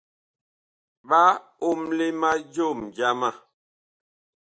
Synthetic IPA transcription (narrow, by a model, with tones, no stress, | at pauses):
ɓa˦o˦mle˦ma˦d͡ʒo˦˨md͡ʒa˦ma˦˨